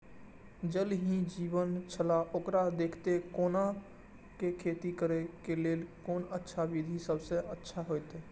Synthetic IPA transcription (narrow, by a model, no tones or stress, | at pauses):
d͡ʒəlɦĩd͡ʒiːʋənt͡ʃʰəlaʔoːkɾad̪eːkʰt̪ekoːna | kekʰeːt̪ikəɾekeleːlkoːnətːʃʰaʋid̪ʱisəbseətːʃʰaɦojt̪e